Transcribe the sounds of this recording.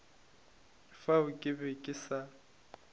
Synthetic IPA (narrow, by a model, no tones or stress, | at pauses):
ɪfaʊkʼɪbɛkʼɪsa